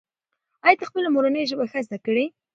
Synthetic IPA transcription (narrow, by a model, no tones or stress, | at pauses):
ɑjɑt̪axpəlamoɾanəjʒəbaxazd̪akəɽe